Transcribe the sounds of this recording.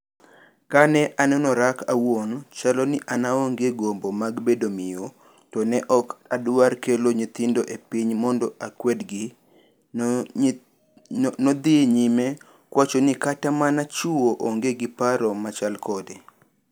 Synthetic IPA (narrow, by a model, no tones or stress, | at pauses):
kanɛʔanɛnɔɾakʰawont͡ʃalɔnɪʔanaoŋɡeɡombomaɡbedomɪjo | tɔnɛʔɔkadʊwarkeloɲit̪ɪndoʔepiɲmɔndɔʔakwɛdɡ | nɔd̪ɪɲimɛ | kwat͡ʃonikatamanat͡ʃuoʔoŋɡeɡipaɾɔmat͡ʃalkʰɔde